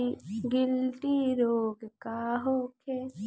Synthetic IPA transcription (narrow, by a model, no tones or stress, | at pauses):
iɡɪlʈiɾoːɡkaːɦoːkʰe